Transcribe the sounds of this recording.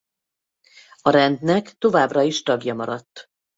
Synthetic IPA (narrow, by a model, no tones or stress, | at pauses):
ɒɾɛnd̪nɛkt̪o̞vaːbrɒiʃt̪ɒɡjɒmɒɾɒt̪ː